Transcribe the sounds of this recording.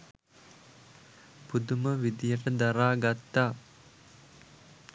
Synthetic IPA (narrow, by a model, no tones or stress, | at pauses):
pud̪uməʋid̪ijəʈəd̪aɾaːɡat̪ːaː